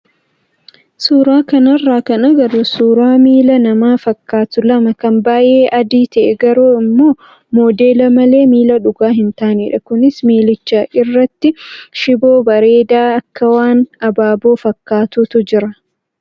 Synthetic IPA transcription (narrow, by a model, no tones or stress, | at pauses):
suːɾaːkɐnɐrːaːkɐnɐɡɐɾoːsuːɾaːmiːlɐnɐmaːfɐkːaːt̪ʊlɐmɐkɐmbaːʔe̞ːʔɐd̪iːt̪ɐʔɛɡɐɾoːɪmːo̞ː | moːd̪e̞ːlɐmɐle̞ːmiːlɐᶑʊɡaːɦɪnt̪aːniːᶑɐkʊnɪsmiːlɪt͡ʃːɐʔɪrːɐt̪ːɪʃɪbo̞ːbɐɾe̞ːd̪aːɐkːɐwaːnɐbaːboːfɐkːaːt̪ʊt̪ʊd͡ʒɪɾɐ